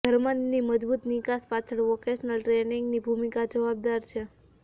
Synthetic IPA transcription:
ɡʱəɾmanːiməd͡ʒbut̪nikaspat͡ʃʰəɭʋɔkeʃnəlʈɾeniŋɡnibʱumikad͡ʒəʋab̚d̪aɾt͡ʃʰe

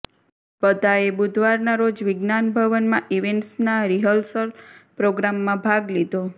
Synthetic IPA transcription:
pət̪aebud̪ʱʋaɾnaɾod͡ʒʋɪɡnanbʱəʋənmãʔiʋeɳʈsnaɾiɦəlsəlpɾoɡɾamːãbʱaɡlid̪o

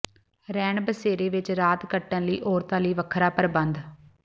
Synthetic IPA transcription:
ɾɛːɳbəseːɾeːʋɪt͡ʃɾaːt̪kəʈːənləḭːʔɔːɾt̪ãːliːʋəkʰɾaːpəɾbənd̪

